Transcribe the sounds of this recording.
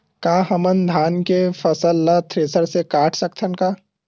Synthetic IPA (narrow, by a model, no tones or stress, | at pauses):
kaːɦɐmənd̪ʱaːnkefɐsəlːat̪ʰɾeːsəɾsekaːʈʰsək̚t̪ʰənkaː